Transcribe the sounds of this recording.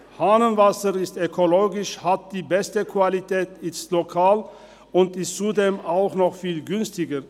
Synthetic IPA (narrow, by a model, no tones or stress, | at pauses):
haːnənvasəʁɪstøkʰoloːɡɪʃhat̚d̥iːbɛstəkʰv̥alitʰɛːtɪslokʰaːl | ʊntɪstt͡sudeːmaʊxnɔχfiːlɡʏnstɪɡə